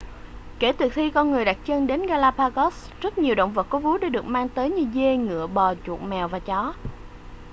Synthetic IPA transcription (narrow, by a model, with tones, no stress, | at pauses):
ke˧˩t̪ɨ˨˩t̪ʰi˧kɔ˧nŋɨ˨˩əjɗa˨˩t̚t͡ɕə˧nɗe˨˦nɣaː˧laː˧paː˧ɣɔ˦˥s | zə˦˥t̚ɲi˨˩əwɗə̰˧˨wŋ͡mvə˨˩t̚kɔ˨˦vu˨˦ɗaː˧˩ɗɨ˨˩ək̚maː˧ŋt̪əː˨˦jɲɨ˧ze˧ŋɨ̰˧˨əɓɔ˨˩t͡ɕṵ˨˩ət̚mɛ˨˩wvaː˨˩t͡ɕɔ˨˦